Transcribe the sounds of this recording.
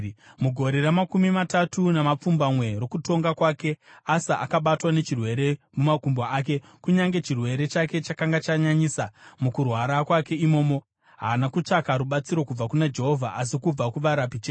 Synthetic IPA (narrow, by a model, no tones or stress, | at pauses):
muɡʱo̞ɾeramakumimatatunamap͡fumbamwe̞ro̞kuto̞ŋɡakwake̞asaʔa̰kaɓatwane̞t͡ʃirwe̞ɾe̞mumakumbaaːk̬e̞ | kuɲaŋɡe̞t͡ʃirwe̞ɾe̞t͡ʃake̞t͡ʃakaŋɡat͡ʃaɲaɲisamukurwaɾakwake̞imo̞ːmo̞ | ɦaːnakut͡ʂakaɾuɓat͡siɾo̞kub͡vakunad͡ʒe̞ɦovʱa̰ʔas̬ikub͡vakuʋaɾapit͡ʃeː